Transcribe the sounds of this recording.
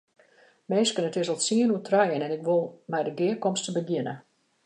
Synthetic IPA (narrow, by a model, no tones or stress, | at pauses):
meːskənətɪsɔlˠtsiənutʰrajənɛnɪkʋulˠmɛjdəɡɪəkɔmstəbəɡjɪnə